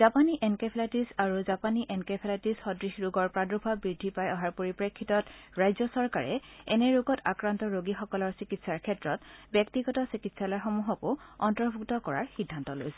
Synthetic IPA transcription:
z̥apaniʔɛnkepʰelatisaɹuzapaniʔɛnkepʰelatisxɔdɹixɹuɡɔɹpɹadɹubʱabɹidʱːipajɔɦaɹpoɹipɹekʰːitɔtɹajzɔsɔɹkaɹɛ̰ɛnɛɹuɡɔta̰kɹantɔɹoɡixɔkɔlɔɹsikitsaɹkʰɛtɹɔtbjɔk̚tiɡɔtɔsikitsalɔjxɔmuɦɔkʊɔntɔɹbʱuktɔkɔɹaɹxidʱːantɔlo̰jsɛ

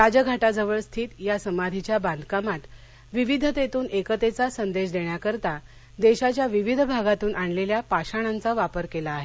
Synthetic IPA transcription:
ɾad͡ʑəɡʱaʈad͡zəʋəɭst̪ʰiːt̪jasəmad̪ʱit͡ɕjaband̪kamat̪ | ʋiʋid̪ʱət̪et̪uːnekət̪et͡sasənd̪eɕd̪eɳjakəɾt̪a | d̪eɕat͡ɕjaʋiʋid̪ʱbʱaɡat̪uːnʔaɳleljapaɕaɽ̃ant͡saʋapəɾkelaːɦe

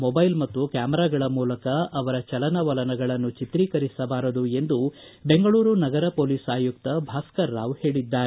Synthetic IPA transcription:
mobɐjlmɐt̪ːukjaːmɛɾaːɡɐɭɐmuːlɐkɐɐʋɐɾɐt͡ʃɐlɐnɐʋɐlɐnɐɡɐɭɐnːut͡ʃit̪ɾiːkɐɾisɐbaːɾɐd̪ue̞nd̪u | be̞ŋɡɐɭuːɾunɐɡɐɾɐpoːliːsaːjuk̚t̪ɐbʱaːskɐɾːaːʋhe̞ːɭid̪ːaːɾe

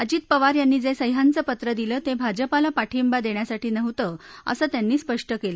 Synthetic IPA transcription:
əd͡ʑiːt̪̚pəʋaɾjanːiːd͡zesəjɦant͡səpət̪ɾəd̪ilət̪ẽbʱad͡ʑəpalapaʈʰimbad̪eɳjasaʈiːnəʋt̪əə̰sət̪janːiːspəʂʈəkelə

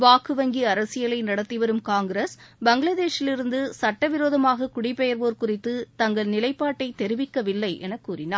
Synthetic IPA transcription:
ʋaːkɯʋɐŋɡiɐɾɐsɪjɐlɐɪnɐɽɐt̪ːiʋɐɾɯmkaːŋɡɾɐsbɐŋɡɭɐðeːʂɪlɪɾɯnd̪ɯsɐʈːɐʋɪɾoːðɐmaːɣɐkʊɽɪpːɛjɐɾʋoːɾkʊrɪt̪ːɯt̪ɐŋɡɐɭnɪlɐɪpːaːʈːɐɪt̪ɛɾɪʋɪkːɐʋɪlːɐɪʔɛ̰nɐkːuːrɪnaːɾ

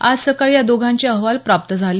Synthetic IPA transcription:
a̰d͡zsəkaɭjad̪oɡʱaɲt͡ɕiəɦʋalpɾap̚t̪əd͡zʱali

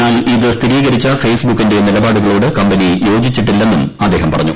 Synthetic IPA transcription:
aːliðɨst̪ʰiɾiːɣɐɾit͡ɕːɐfe̞ːsbukːinde̞nilɐbaːɽuɣɐɭoːɽɨkɐmbɐnijo̞ːd͡ʑit͡ɕːiʈːilːe̞nːumɐd̪ːe̞ːɦɐmpɐrɐɲːṵ

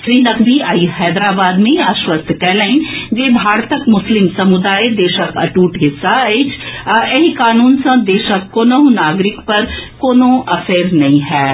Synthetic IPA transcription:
sɾiːnɐkbʱiajhɛːd̪ɾaːbaːd̪mẽaʃwəst̪ʰkɛɦləɪnd͡ʒeːbʱaːɾt̪əkmʊslɪmsɐmʊd̪aːjd̪eːʃəkɐ̰ʈuːʈɦɪsːaeːt͡ʃʰeɦikaːnuːnsɐ̃d̪eːʃəkːoːnoɦũnaːɡɾɪkpɐɾkoːnõʔɐfeːɾnɐɦĩɦɛː

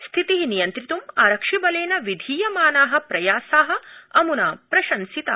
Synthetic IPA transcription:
st̪ʰit̪iɦinijɐnt̪ɾit̪umaːɾɐkʂibɐleːnɐʋid̪ʱiːjɐmaːnaːɦɐ̆pɾɐjaːsaːɦɐ̆ɐmunaːpɾɐʃɐnsit̪ɐ̰ː

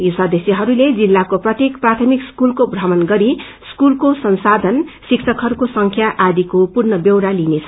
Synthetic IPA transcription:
jusad̪esiɦʌɾuled͡zilːakoprʌt̪jekprat̪ʰʌmikskulkobrʌmʌnɡʌɾi | skulkosʌnsad̪ʱʌnsiksʰʌkɦʌɾukosʌŋkʰjaʔad̪ikopurnʌbjewɾalinet͡sʰʌ

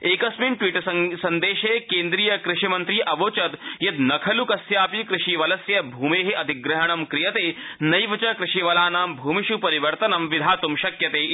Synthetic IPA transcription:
eːkɐsminʈwiːʈɐssɐnd̪eːʃeːkeːnd̪ɾiːjɐkɾɪʂimɐnt̪ɾiːʔɐʋoːt͡ʃɐt̪jɐt̪nɐkʰɐlukɐsjaːpikɾɪʃiʋɐlɐsjɐbʱuːmeːɦeʔɐd̪ʱiɡɾɐɦɐɳ̃ɐmkɾijɐt̪eːnɐjʋɐt͡ʃɐkɾɪʂiʋɐlaːnaːmbʱuːmiʃupɐɾiʋɐɾt̪ɐnɐmʋid̪ʱaːt̪umʃɐkjɐt̪eː

